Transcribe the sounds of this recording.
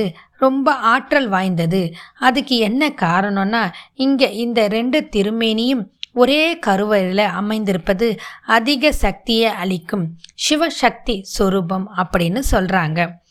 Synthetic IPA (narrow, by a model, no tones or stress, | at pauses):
ɯ | ɾɔmbɐʔaːʈɾɐlʋaːjnd̪ɐðɯɐðɯkːɯɛnːɐkaːɾɐɳonːaːɪŋɡeːʔɪnd̪ɐɾɛɳɖɯt̪ɪɾɯmeːnɐjɯmɔɾeːkɐɾɯʋɐɾɪlɐɐmɐɪnd̪ɪɾɯpːɐðɯɐðɪɣɐsɐk̚t̪ɪjɐɐɭɪkːɯmʂɪʋɐʂɐk̚t̪isɔɾubɐmɐpːɐɽɪnːɯsɔlraːŋɡɐ